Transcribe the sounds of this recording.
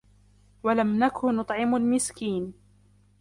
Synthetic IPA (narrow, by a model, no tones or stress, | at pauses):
walamnakʊnʊt̪ˤʕɪmalmɪskiːn